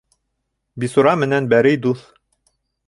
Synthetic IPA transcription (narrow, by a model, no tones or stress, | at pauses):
bisuɾɑmɘ̆nænbæɾɘjd̪uθ